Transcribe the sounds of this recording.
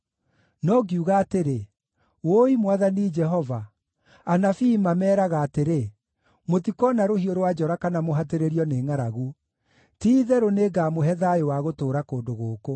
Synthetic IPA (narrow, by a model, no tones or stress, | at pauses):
nɔɡiuɣaːteɾe | woimwaðanid͡ʒɛɦɔva | anafimamɛːɾaɣaːteɾe | motikɔnaɾohioɾowad͡ʒɔɾakanamoɦateɾeɾiɔneːŋaɾaɣu | tiːðɛɾoneːɡaːmoɦɛðaowaɣotoːɾakoːndoɣoːko